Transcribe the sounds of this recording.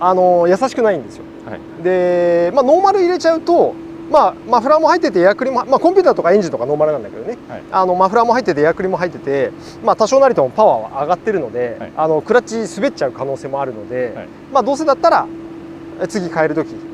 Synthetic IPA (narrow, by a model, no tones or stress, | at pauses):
ano̞jasaɕi̥kɯnaĩnd̪e̞sɨjo̞̰ | d̪e̞mano̞ːmaɾɯiɾe̞t͡ɕaɯ̟t̪o̞ | mamaɸɯɾamo̞hait̪ːet̪e̞jakɯ̟ɾʲimo̞hmakõmpʲɨːt̪at̪o̞kaẽ̞ɲ̟d͡ʑĩnt̪okano̞ːmaɾɯ̟ãnd̪aked̪one̞ano̞maɸɯ̟ɾamoɦait̪ːe̞t̪̬ejakɯ̟ɾʲimo̞ɦait̪ːe̞t̪e̞ | mat̪aɕo̞ːnaɾʲit̪o̞mopaβaβa̰ʔaɡat̪ːe̞ɾɯ̟no̞d̪e̞ano̞kɯ̟ɾat͡ɕisɨbe̞t͡ɕaɯ̟kano̞ːse̞ːmo̞aɾɯ̟no̞d̪e̞ | maːd̪oːs̬e̞d̪at̪ːaɾa̰ | et͡sɨɡʲikae̞ɾɯ̟t̪o̞kʲi